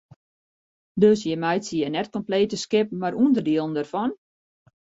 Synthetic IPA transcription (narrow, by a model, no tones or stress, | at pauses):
døsjəmɛjtsijənɛtkɔmpleːtəskɪpn̩maɾʔundərdiəlˠən̩dərfɔn